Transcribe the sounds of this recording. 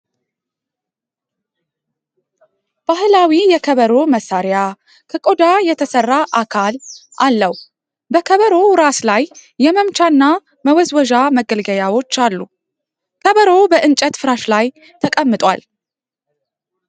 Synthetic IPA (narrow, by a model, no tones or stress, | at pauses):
b̥ahɨlawijɛkʰəβəɾo̞məsːaɾja | kʰəkʼod̪ajɛt̪ʰəsərːaʔakʰalʔalːəw | bəkʰəβəɾo̞ɾaslajːɛməmt͡ʃʰaɨnːa | məwɔzwɔʒaməɡəlɡəjawo̞t͡ʃːalːu | kʰəβəɾo̞bəʔɨnt͡ʃʼət̪fɨɾaʃlaj | t̪ʰəkʼəmːɨt̪ʼwa̰l